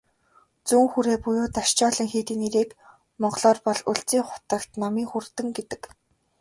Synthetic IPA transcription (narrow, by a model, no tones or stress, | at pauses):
t͡suːŋxuɾeːpʊjʊːt̪aʃt͡ɕɔːɮĭːŋxeːt̪iːneɾeːk | mɔɢɮɔːrpɔɮuɮt͡siːŋχʊ̥t̪ə̆kt̪nɔmiːŋxurt̪ɘ̆ŋɡet̪ɘ̆k